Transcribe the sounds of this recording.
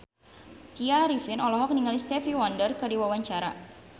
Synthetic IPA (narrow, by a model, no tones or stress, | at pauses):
t̪iaɾifinɔlɔɦɔk̚niŋalist̪ɛfiwɔndərkɨrdiwawaɲt͡ʃaɾa̰